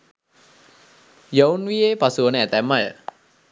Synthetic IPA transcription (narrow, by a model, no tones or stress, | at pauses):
jownʋijepasuʋənəæt̪æmːajə̰